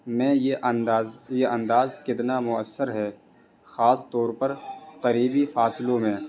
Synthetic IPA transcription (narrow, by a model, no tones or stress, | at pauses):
mɛ̃ːjeʔ̪ːzjeʔɐ̃nd̪aːzkɪt̪namʊəsːəɾɦɛː | xaːst̪ɔːɾpɐɾqɐɾiːbifaːsɪlõmẽ